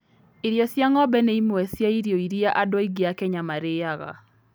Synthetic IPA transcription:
iɾjɔsjaŋɔbɛneimwɛsjaiɾjoiɾiaʔadwɔiɡiakɛɲamaɾeaɣa̰

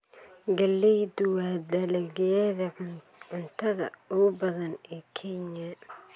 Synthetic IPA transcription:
ɡɐlːɛjd̪ʊwaːd̪ɐlɛɣjɛðɐ | ʕʊnt̪ʰɐðɐ̰ʊbɐðɐnɛːkʰɛɲɐ

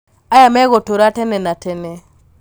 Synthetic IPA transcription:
ajamɛɣɔtoɾatɛnɛnatɛnɛ

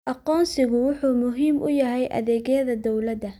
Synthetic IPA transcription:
ʔɑqɔːnsɪɣʊwʊħuːmʊɦiːmʔʊ̰jɐɦɛjʔɐ̰ðɛːɣɐðɐd̪ɔwlɐd̪ɐ

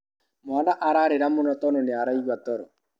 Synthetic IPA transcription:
manaʔaɾaɾeɾamonɔtɔnoneaɾaiɣwatɔɾɔ

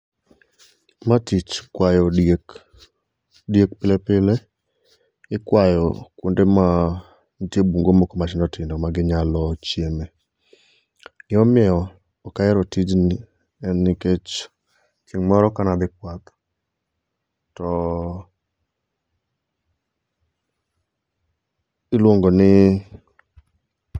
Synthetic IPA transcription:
matit͡ʃkwajɔek | djek̚pɪlepɪle | ɪkwajɔ̰kundema | ntjebuŋɡomokomat͡ʃɪnɔtɪndɔmaɡɪɲalɔt͡ʃjeme | ɪɔmɪɛɔː | kajɛɾɔtid͡ʒn | ɛnːɪket͡ʃ | kʰiŋmɔɾɔkanad̪ɪk̚wat̪ | tɔ | ɪlwoŋɡonɪ

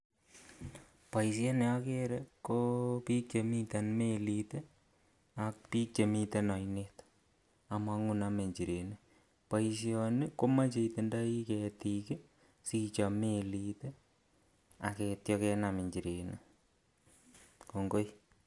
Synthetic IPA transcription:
pais̬janeakeɾekopik̚t͡ʃemit̪anmelit̪e | ak̚pik̚t͡ʃemit̪anɔinet̪ | amaŋʊnameɲt͡ʃiɾene | pais̬jɔnekomat͡ʃeit̪endaikɛtike | sit͡ʃamelit̪e | akɛtjɔkɛnameɲt͡ʃiɾenḛ | koŋɡoj

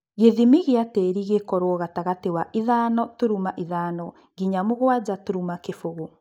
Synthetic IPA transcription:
ɣeðimiɣiateːɾiɣekɔɾwɔɣataɣatewaʔiðaːnɔtoɾumaʔiðaːnɔ | ɣiɲamoɣwad͡ʑatoɾumakefoɣo

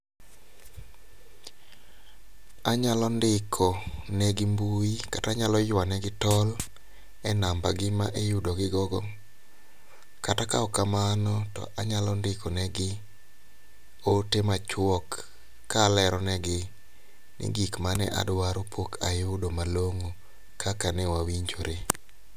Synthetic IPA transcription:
aɲalɔndɪkʰɔnɛɡɪmbuikataɲalɔjwanɛɡɪtɔl | ɛnambaɡɪmaʔejʊdɔɡɪɡɔɡɔ | katakaɔkamanɔtɔ̰ʔaɲalɔndɪkʰɔnɛɡɪ | otemat͡ʃwɔkː | alɛɾɔnɛɡɪ | nʔɪ̰ɡikmanɛ̰ʔa̰dwaɾopʰokʰajʊdomaloŋo | kʰakanɛwawiɲd͡ʒoɾe

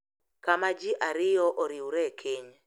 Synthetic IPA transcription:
kamad͡ʒɪʔaɾɪjɔʔoɾɪuɾɛkʰeɲ

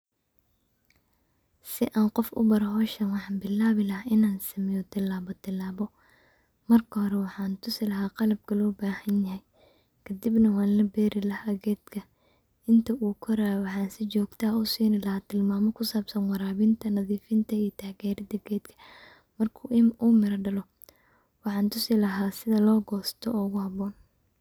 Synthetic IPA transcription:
sɪʔaːnqɔfʔʊ̰bɐɾɐɦɔːʃɐnwɑħɑːnbɪlaːβɪlɐhɦaɪnaːnsɐmɪjɔd̪ɪlːaːβɔd̪ɪlːaːβɔ | mɐrkʰɐhɔɾɛwɑħɑːnt̪ʰʊsɪlɐɦaːqɑlɐb̚kʰɐlɔːbaːhɐnjɐɦɛj | kʰɐd̪ɪbnɐwɑːnlɐbɛːɾɪlɐhaːɡɛːd̪kʰɐ | ɪnt̪ʰɐʔuːkʰɔɾaːwɑħɑːnsɪt͡ʃɔːɡt̪ʰaːʊsiːnɪlɐhaːt̪ʰɪlmaːmɔkʰʊsaːbsɐnwɑɾaːβɪnt̪ʰɐnɐðiːfɪnt̪ʰɐijɔt̪ʰaːɡɛːɾɐd̪ɐɡɛːd̪kʰɐ̥ | mɐrkʰuːʔɪnʔuːmɪɾɐɖɐlɔ | wɑħɑːnt̪ʰʊsɪlɐɦaːsɪðɐlɔːɡɔːst̪ʰɔɔʊɣʊhɑβɔːn

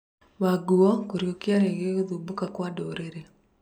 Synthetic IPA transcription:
waɡuɔkoɾjokɪaɾeɡeod̪ubukakwadoɾeɾe

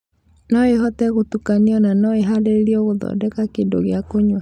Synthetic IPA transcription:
nɔeɦɔtɛɣotukaniɔnanɔeɦadeiɾiɔɣoðɔ̰dɛkakendo̰ɣeakoɲwa

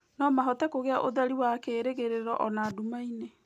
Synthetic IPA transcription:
nɔmaɦɔtɛkoɣeaʔoðaɾiwakeːɾeɣeɾeɾɔʔɔnadumaine

